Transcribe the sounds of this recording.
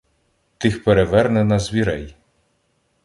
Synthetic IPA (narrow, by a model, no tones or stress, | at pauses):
t̪ɪxpeɾeʋɛrnɛnɐzʲʋʲiɾɛj